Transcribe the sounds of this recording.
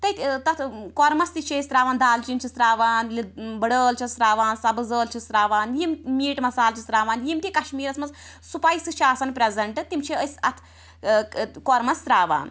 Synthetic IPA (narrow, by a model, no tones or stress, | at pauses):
t̪ɐj̪t̪ɐt̪ʰkoɾmɐst̪it͡ʃʰesɾaːʋaːnd̪aːlt͡ʃint͡ʃʰisɾaːʋaːnlibɐɽəːlt͡ʃʰisɾaːʋaːnsɐbɨzəːlt͡ʃʰisɾaːʋaːnjimmiːʈmɐsaːlt͡ʃʰisɾaːʋaːnjimt̪ikɐʃmiːɾɐsmɐz | supajsɨʃʰaːsɐnpɾezɐɳʈɨt̪imt͡ʃʰiəsɐt̪ʰ | koɾmɐsɾaːʋa̰ːn